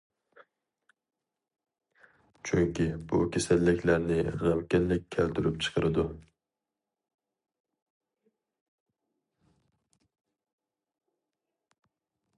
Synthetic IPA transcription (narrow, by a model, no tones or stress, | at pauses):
t͡ʃʰyŋkʲibṵkʲʰesælːɪkʲʰlæɾnɪʁæmkʲɛnlɪk̚ʲʰːælt̪yɾypt͡ʃʰə̥qʰəɾɨd̪u